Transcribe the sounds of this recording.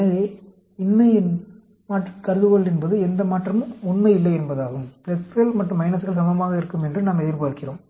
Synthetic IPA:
nɐðeː | ɪnːɐɪɪn | maːʈːɐkɐɾɯðɯɣɔɭɛnbɐðɯɛnd̪ɐmaːʈrɐmɯɔnːɐɪlːɐɛnbɐðaːɣɯmplɛsɣɐɭmɐʈːɯ̃mːɐɪnɐsɣɐɭsɐmɐɐaːɣɐɪɾɯkːɯmɛndrɯnaːmɛðɪɾʋaːɽkɪɾõːm

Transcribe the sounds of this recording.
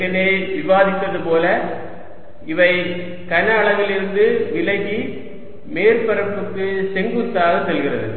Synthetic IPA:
ɐneːʋɪʋaːðɪt̪ːɐðɯpoːlɐ | ɪʋɐɪ | kɐnɐːɭɐʋɪlɪɾɯnd̪ɯʋɪlɐɣi | meːɾpɐɾɐpːɯkːɯsɛŋɡɯt̪ːaːɣɐsɛlɣɪrɐðɯ̰

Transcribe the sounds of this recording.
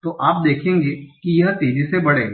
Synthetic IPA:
t̪oːʔaːp̚d̪eːkʰẽːŋɡeːkijɐɦt̪eːzisebɐɽeːɡ

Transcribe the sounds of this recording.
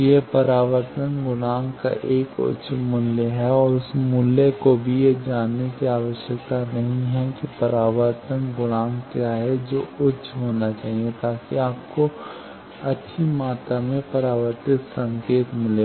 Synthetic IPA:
jepɐɾaːʋəɾt̪ənɡʊɽ̃aːmka̰ʔeːkʊ̰ʃʰmʊljeɦɛɔːɾʊsmuljekobʱijed͡ʒaːnːekiaːʋəʃjəkt̪anɐɦĩɦɛkipɐɾaːʋəɾt̪ənɡʊɽ̃aːmkjaːɦɛd͡ʒoːʊtːt͡ʃʃʰɦoːnat͡ʃaːɦiet̪aːkiaːp̚ko | ɐtːʃʰimaːt̪amẽpɐɾaːʋəɾt̪ɪt̪sɐ̃ŋkeːt̪mɪle

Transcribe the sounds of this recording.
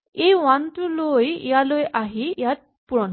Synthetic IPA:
ejʋant̪ulojjalojʔaɦijat̪̚ | puɾɔn

